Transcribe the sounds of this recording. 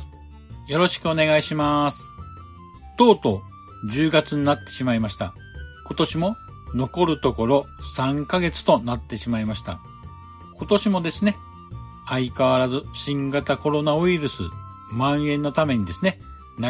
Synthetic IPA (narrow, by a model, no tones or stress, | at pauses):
jo̞ɾo̞ɕi̥kɯo̞ne̞ɡaiɕimasɨ̥ | t̪o̞ːt̪o̞ | d͡ʑɨːɡat͡sɨɲ̟inat̪ːe̞ɕimaimaɕi̥t̪a̰ | ko̞t̪o̞ɕimo̞ | no̞ko̞ɾɯ̟t̪o̞ko̞ɾo̞sãŋkaɡe̞t͡sɨ̥t̪o̞nat̪ːe̞ɕimaimaɕi̥t̪a̰ | ko̞t̪o̞ɕimo̞d̪e̞sɨne̞ | aikaβaɾazɨɕĩŋɡat̪ako̞ɾo̞naɯ̟iɾɯ̟sɨ̰ | mãɰ̃ẽ̞nːo̞t̪ame̞ɲ̟id̪e̞sɨne̞ | na